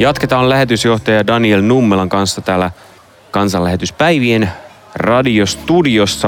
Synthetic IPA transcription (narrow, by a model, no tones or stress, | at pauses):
jɑt̪ket̪ɑːlæɦe̞t̪ysjo̞ht̪ɑjɑdɑnielnumːelɑŋkɑnsːɑt̪æːlæ | kɑnsɑlːæɦe̞t̪yspæjʋien | rɑdiost̪udio̞sːɑ